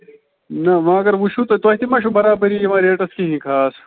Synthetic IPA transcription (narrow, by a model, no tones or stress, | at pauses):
nɐʋãːɐɡɐɾʋuʃut̪ot̪oɐt̪imɐːʃubɐɾaːbɐɾijiʋãːɾeːʈɐskiɦĩkʰaːs